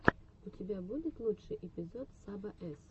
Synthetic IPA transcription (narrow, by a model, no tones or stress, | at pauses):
utʲɪbʲabudʲɪt̪lˠutʂɨjʔepʲizɔt̪sabɐʔɛs